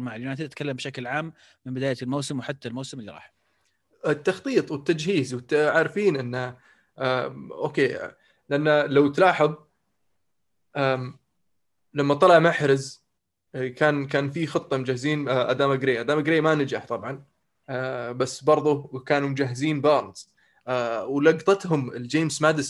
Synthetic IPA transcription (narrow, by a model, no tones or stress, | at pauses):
maʕlumaːt̪at̪kalːambɪʃaklʕaːmː | ɪnbɪd̪aːjalmowsɪmwħat̪ːalmowsɪmʔɪlːḭɾˤɑ̰ːħ | ɪt̪ːɑxt̪ˤiːt̪ˤwɪt̪ːad͡ʒhiːzwɪt̪ːʕaːɾfiːnʔɪnːa | aʔo̰ːkeː | lɪʔanːalawt̪laːħɑðˤ | ʔaː | lamːat̪ˤɑlɑʕmaħɾɪz | kaːnkaːnfixɨt̪ˤːɑmʊd͡ʒahːɪziːnʔa̰d̪aːmaɡɾeːʔad̪aːmaɡɾeːmanɪd͡ʒaħt̪ˤɑbʕɑn | basːbɑɾˤðˤʊkaːnumʊd͡ʒaɦːɪziːnbɑːɾɑt̪ː | wlɑɡt̪ˤɑt̪ɦʊmɪld͡ʒeːmsmaːd̪ɪs